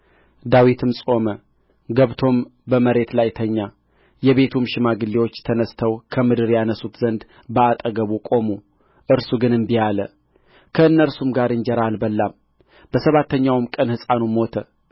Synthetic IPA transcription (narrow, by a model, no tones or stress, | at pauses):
d̪awit̪ʰɨmsʼo̞mə | ɡəβt̪ʰo̞mbəməɾe̞t̪lajt̪ʰəɲːa | jɛβe̞t̪ʰumʃɪmaɡɨlːiwo̞t͡ʃːt̪ʰənəst̪ʰəwkʰəmɨd̪ɨɾjanəsut̪zənd̪ | bəat̪ʼəɡəβukʼo̞mu | ʔɨɾsuɡɨnɨmbijalə | kʰəɨnːəɾsumɡaɾɨnd͡ʒɛɾalbəlːam | b̥əsəβat̪ːəɲːawmkʼənhɨsʼanumo̞t̪ʰə